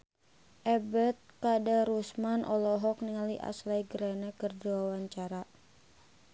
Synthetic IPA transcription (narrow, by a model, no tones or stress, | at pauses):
ʔɛbɛt̪̚kadaɾusmanʔɔlɔɦɔk̚niŋaliʔa̰slajɡəɾɛnɛkərduawaɲt͡ʃaɾa